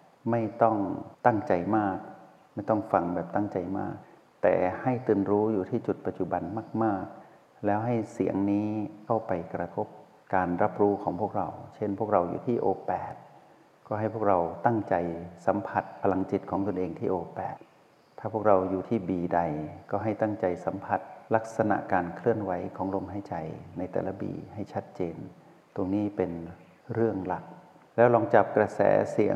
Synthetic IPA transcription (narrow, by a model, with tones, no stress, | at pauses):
ma˥˩jt̪ɔ˥˩ŋt̪a˥˩ŋt͡ɕa˧jmaː˥˩k̚ | ma˥˩jt̪ɔ˥˩ŋfa˧ŋbɛː˨˩p̚t̪a˥˩ŋt͡ɕa˧jma̰ː˥˩k̚ | t̪ɛ̰ː˨˩ha˥˩jt̪ɯː˧nɾuː˦˥juː˨˩t̪ʰiː˥˩t͡ɕu˨˩t̪̚pa˨˩t̪̚t͡ɕu˨˩ba˧nmaː˥˩k̚maː˥˩k̚ | lɛː˦˥wɦa˥˩jsi˩˦əŋniː˦˥kʰa˥˩wpa˧jkɾa˧t̪ʰo˦˥p̚ | kaː˧nɾa˦˥p̚ɾuː˦˥kʰɔː˩˦ŋpʰu˥˩ək̚ɾa˧wt͡ɕʰe˥˩npʰu˥˩ək̚ɾa˧wjṵː˨˩t̪ʰiː˥˩ʔoː˧pɛː˨˩t̪̚ | kɔː˥˩ɦa˥˩jpʰu˥˩kɾa˧wt̪a˥˩ŋt͡ɕa˧jsa˨˩˦mpʰa˧˩t̪̚pʰa˧la˧ŋt͡ɕi˨˩t̪̚kʰɔː˩˦ŋt̪o˧nʔeː˧ŋt̪ʰiː˥˩ʔoː˧pɛ̰ː˨˩t̪̚ʰː | aː˥˩pʰu˥˩ək̚ɾa˧wjuː˨˩t̪ʰiː˥˩biː˨da˧jkɔː˥˩ɦa˥˩jt̪a˥˩ŋt͡ɕa˧jsa˩˦mpʰa˧˩t̪̚la˦˥k̚sa˧na̰˨˩ʔkaː˧nkʰlɯ˥˩ənwa˨˦˥jkʰɔː˩˦ŋlo˧mɦa˧˥˩jt͡ɕa˧jna˧jt̪ɛ̰ː˨˩la˦˥bḭː˧˩ha˥˩jt͡ɕʰa˦˥t̪̚t͡ɕeː˧n | t̪o˧ŋniː˦˥pe˧n | ɾɯ˥˩əŋla˨˩k̚ | lɛː˦˥wlɔː˧ŋt͡ɕa˨˩p̚kɾa˧sɛ̰ː˩˦si˩˦əŋ